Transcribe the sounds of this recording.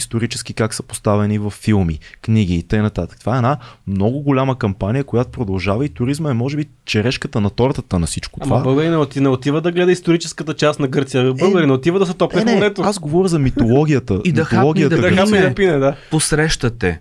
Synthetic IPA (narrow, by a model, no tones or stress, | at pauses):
ist̪oɾit͡ʃɛsk̟ikaksəpo̥st̪avɛnivɐfːilˠmḭkniɡ̟iːt̪ɤjnɐt̪at̪ə̥k̚t̪ovaɛɛnamnɔɡʊɡolʲaməkɐmpanijəkojat̪o̥pɾod̪ɐlˠʒavɐit̪ʊɾizməɛmɔʒɛbi | t͡ʃɛɾɛʃkət̪ənɐt̪ɔɾt̪ət̪ənɐsit͡ʃko̥t̪amvɐabɤlˠɡəɾinɛot̪inɛot̪ivəd̪ɐɡlɛd̪əist̪oɾit͡ʃɛskət̪ət͡ʃast̪nɐɡɤɾt̪sijəbɤlˠɡəɾinɛot̪ivəd̪ɐsɛt̪ɔpnɛonɛt̪oasɡovɔɾʲəzɐmit̪olˠɔɡʲijət̪əimd̪iɐolˠɔɡʲiət̪ɡd̪ɐid̪ɐpinɛd̪aposɾɛʃt̪ət̪ɛ